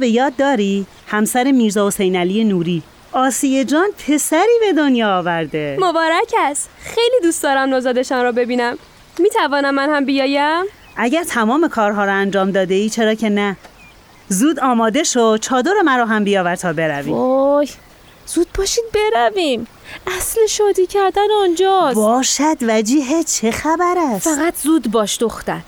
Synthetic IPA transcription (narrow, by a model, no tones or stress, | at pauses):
be̞jɒːd̪ːɒːɾi | hæmsæɾemiːɾzɒːosejnæliːe̞nuːɾiː | ɒːsije̞d͡ʒɒːnpʰe̞sæɾiːbe̞d̪onjɒːvæɾd̪e̞mobɒːɾæcʰæst̪xejliːd̪uːst̪d̪ɒːɾæmnozɒːd̪eʃɒnɾɔːbe̞biːnæmː | iːt̪ʰævɒːnæmːænhæmbijɒːjæm | ʔæɟæɾt̪ʰæmɒːme̞kʰɒːɾɦɒːɾɒænd͡ʒɒːmd̪ɒːd̪e̞iːt͡ʃʰe̞ɾɒːcʰe̞næ | zuːd̪ɒːmɒːd̪e̞ʃod̪̥̚t͡ʃʰɒːd̪oɾemæɾɒːɦæmbijɒːvæɾt̪ʰɒːbe̞ɾæviːoj | z̥uːd̪̚bɒːʃiːd̪̚be̞ɾævim | æsleʃɒːd̪iːcʰæɾd̪ænɔnd͡ʒɒːsbɒːʃæd̪væd͡ʒiːɦet͡ʃʰe̞xæbæɾæsfæɣæt̪ʰzuːd̪bɒːʃd̪oxt̪æ̰d̪̥